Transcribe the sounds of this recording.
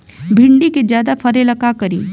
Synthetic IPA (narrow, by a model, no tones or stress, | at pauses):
bʱiɳɖiked͡ʒjad̪afʰəɾeləkakəɾḭː